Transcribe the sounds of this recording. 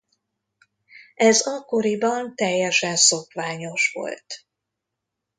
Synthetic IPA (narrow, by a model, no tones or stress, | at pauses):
ɛzɒkːo̞ɾibɒnt̪ɛjːɛʃɛnso̞kʋaːɲo̞ʃʋo̞̰lt̪